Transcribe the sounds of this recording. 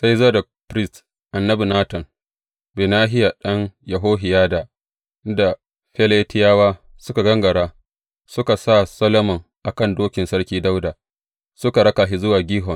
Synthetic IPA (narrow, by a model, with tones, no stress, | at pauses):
sa˦jzoː˦dɐ˨ | pɾi˦st | ʔa˨nːɐ˦bi˨naː˦tɔ˨n | be˨naː˦ɦɪ˦ja˨ɗɐ˦ŋjɐ˨ɦoː˦ɦɪ˨jaː˦da˨ | ʔɪ˦nda˨ | ɸe˦le˦tɪ˦jaː˦waː˦ | sʊ˦ka˨ɡɐ˦ŋɡɐ˨ɽaː˦ | sʊ˦ka˨sa˦˨sɐ˦lɐ˦mɔ˨ŋʔa˨kɐ˦˨ndoː˦kʲɪ˨nsɐ˦ɽkʲiː˦da˦wda˨ | sʊ˦ka˨ɽɐ˦ka˨ɦi˦zʊ˦waː˨ɡʲiː˦ɦɔ˨ŋ